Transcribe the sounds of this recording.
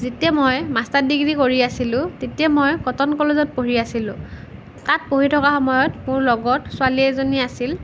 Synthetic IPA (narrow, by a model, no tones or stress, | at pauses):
zetiɛmojmastadiɡɹikoɹiasilʊ̃tetiɛmojkɔtɔnkɔlɔzɔt̚poɹiasilʊ̰̃ | tat̚poɦitʰɔkaxɔmɔjɔtmʊɹlɔɡɔtsʊaliɛzoniasil